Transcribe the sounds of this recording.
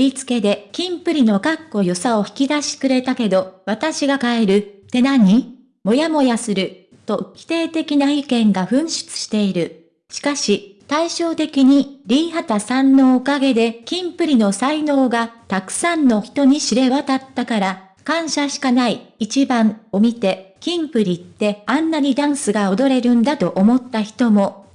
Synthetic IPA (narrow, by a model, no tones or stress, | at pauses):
ɾʲit͡sɨ̥ke̞d̪e̞kʲĩmpɯ̟ɾʲino̞kakːo̞jo̞sao̞çi̥kʲid̪aɕi̥kɯ̟ɾe̞t̪ake̞d̪o̞βat̪aɕiɡakae̞ɾɯ̟t̪e̞naɲ̟i | mo̞jamo̞jasɨɾɯ̟ | t̪o̞kʲi̥t̪e̞ːt̪e̞kʲinaikẽ̞ŋɡaɸɯ̟̃ɰ̃ɕɨ̥t͡sɨ̥ɕi̥t̪e̞iɾɯ̟ | ɕi̥kaɕit̪aiɕo̞ːt̪e̞kʲiɲ̟iɾʲiːɦat̪asãnːo̞ːkaɡe̞d̪e̞kʲĩmpɯ̟ɾʲino̞saino̞ːɡat̪akɯ̟̥sãnːo̞çi̥t̪o̞ɲ̟iɕiɾe̞βat̪at̪ːakaɾa | kãɰ̃ɕaɕi̥kanaiːt͡ɕibãɴo̞mʲit̪e̞kʲĩmpɯ̟ɾʲit̪ːe̞ãnːaɲ̟id̪ãɰ̃sɨɡao̞d̪o̞ɾe̞ɾɯ̟̃nd̪at̪o̞ʔomo̞t̪ːaçi̥t̪o̞mo̞